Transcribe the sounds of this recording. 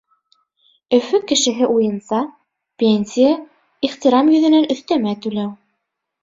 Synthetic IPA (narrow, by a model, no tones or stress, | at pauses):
ɵ̆fɵkɘ̆ʃɘ̆ɦɘʔujɤ̆nsɑ | pʲenʲsʲija | iχt̪ʲiɾɑmjɵ̆ðɘ̆nænɵ̆θt̪æmæt̪ʉlæw